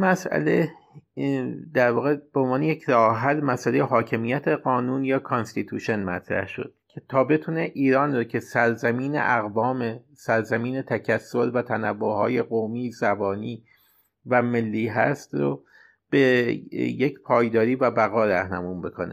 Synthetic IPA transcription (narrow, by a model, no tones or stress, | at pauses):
mæsʔæ̰le | d̪æɾvɒːɣe̞b̥eonvɒːnejecʰɾɒːɦælmæsælejeɦɒːcʰe̞mijæt̪ʰe̞ɢɒːnuːnjɒːkʰonst̪it̪ʰuːʃo̞nmæt̪ʰɾæ̰hʃo̞̰d̪̥̚cʰe̥t̪ʰɒːbe̞t̪ʰune̞ʔiːɾɒːnrocʰe̞sæɾzæmiːnḛʔæɣvɒːme | sæɾzæmiːnet̪ʰæcʰæsːo̞ɾvæt̪ʰænæbːohɒ̰ːje̞ɣomiːzæbɒːniː | væme̞lːiːɦæst̪ɾo̰ | b̥ejecʰpʰɒːjd̪ɒːɾiːvæbæɣɒːɾæhnæmuːmbe̞kʰo̞̰nḛ